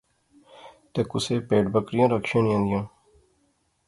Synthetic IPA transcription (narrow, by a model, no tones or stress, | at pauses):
t̪eːkʊseːpeːɖbəkɾɪjãːɾəkʃãːnĩãːnd̪ɪjãː